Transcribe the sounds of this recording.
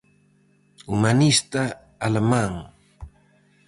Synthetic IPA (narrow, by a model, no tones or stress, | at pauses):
ʊmanɪst̪aː | lamaŋ